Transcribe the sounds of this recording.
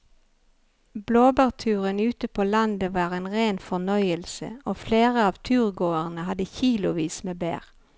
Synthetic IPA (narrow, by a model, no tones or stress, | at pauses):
bloːbæːʁt̪ʰʉːʁənʉːt̪əpʰoːlɑnd̪əʋɑːʁeːnʁeːnfɔʁnœʏəlsə̰oːfleːʁəɑːʋt̪ʰʉːʁɡoːəʁnəhɑd̪əçiːlʊʋiːsmeːbæ̰ːʁ